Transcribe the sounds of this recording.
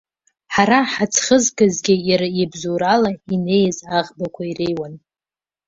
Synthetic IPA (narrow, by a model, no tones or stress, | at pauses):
ħaɾaħat͡sʰχəzkʼazɡʲɪjaɾaibzuːɾalaine̞jzaʁbakʷʰairejwan